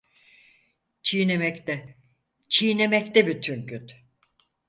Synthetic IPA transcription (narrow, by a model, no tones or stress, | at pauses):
t͡ʃʰijnemɛct̪ɛ | t͡ʃʰijne̞mɛct̪ɛbyt̪ʰynɟyt̪